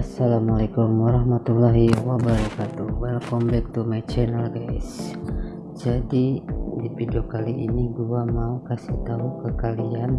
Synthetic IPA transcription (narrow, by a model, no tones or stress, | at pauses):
asalamalakumwaɾaɦmat̪ulaɦiwabaɾakat̪uwalkɔmbɛk̚t̪umat͡ʃɛnalɡas | d͡ʒadidipidɔkaliʔiniɡuamaukasiht̪aɦukəkalian